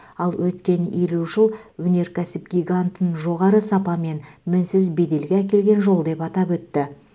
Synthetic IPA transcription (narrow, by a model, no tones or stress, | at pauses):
ɑlˠwʔɵt̪kʲe̞neluʒəlˠwɵne̞ɾkʲʰæsɪp̚ɡʲiɡant̪ənʒo̞ʁɑɾəsɑpɑme̞nmɪnsɪzbe̞d̪e̞lɡʲeækʲe̞lɡʲe̞nʒo̞lˠd̪e̞pɑt̪ɑpwɵt̪ːɪ